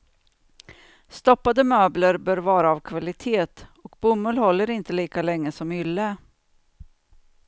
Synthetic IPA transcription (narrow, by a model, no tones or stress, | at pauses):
st̪ɔpːad̪əmøːbləɾbœːɾvɑːɾaːvkʰvalɪt̪ʰeːt̪ɔkbʊmːɵlhɔlːəɾɪnt̪əliːkalɛŋːəsɔmʏlːə